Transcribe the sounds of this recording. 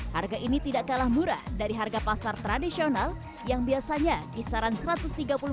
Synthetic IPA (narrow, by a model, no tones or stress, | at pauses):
harɡaʔinit̪idaʔkalahmuɾa̰hdaɾiɦarɡapasart̪ɾadisional | jaŋbiasaɲakisaɾansəɾat̪ʊst̪iɡapulu